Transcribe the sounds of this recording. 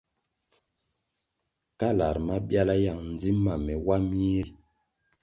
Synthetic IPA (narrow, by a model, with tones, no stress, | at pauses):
ka˦la˨ɾma˦bja˦la˦ja˨ŋn˨d͡zi˦ma˨mɛ˨wa˦mi˦l